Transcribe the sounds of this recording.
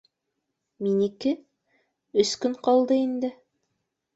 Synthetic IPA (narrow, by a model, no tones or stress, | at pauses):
minikɘ | ɵ̆skɵɴqɑlˠd̪ɤind̪ɘ